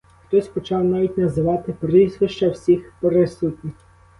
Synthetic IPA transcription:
xt̪ɔsʲpɔt͡ʃɑwnɑʋʲitʲnɐzɪʋɑt̪ɪpɾɪzʋɪʃt͡ʃɐwsʲixpɾɪsut̪ʲnʲɪxʲ

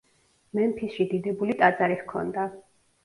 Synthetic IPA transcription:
mɛmpʰisʃid̪id̪ɛbulit̪ʼat̪sʼaɾiχkʰɔ̰nd̪a

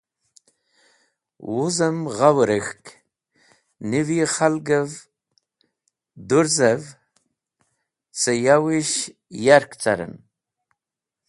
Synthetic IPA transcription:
wuzəmʁawɾəxk | niviχalɡəv | d̪uɾzəv | t͡səjawiʃ | jaɾkt͡sa̰ɾə̰n

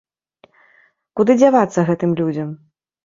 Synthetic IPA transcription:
kud̪ɨd͡zʲavat̪sːɐɣɛt̪ɨmlʲud͡zʲɐm

